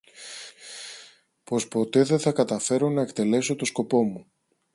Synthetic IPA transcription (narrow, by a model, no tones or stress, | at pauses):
po̞spo̞t̪e̞ðeθɐkɐt̪ɐfe̞ɾo̞nɐe̞kt̪e̞le̞so̞t̪o̞sko̞po̞mu